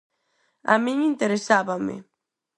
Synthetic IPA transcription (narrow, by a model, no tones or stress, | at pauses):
a̰mĩŋint̪eɾesaβamɪ̰